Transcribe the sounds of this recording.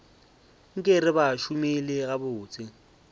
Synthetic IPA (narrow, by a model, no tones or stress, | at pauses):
ŋ̩kʼɪrɪbaʃʊmɪlɪɣabʊːt͡sʼɪ